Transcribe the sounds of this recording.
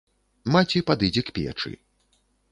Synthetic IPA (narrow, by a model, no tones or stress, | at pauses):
mat͡sʲipad̪ɨd͡zʲɛkpʲɛ̰t͡ʂɨ̰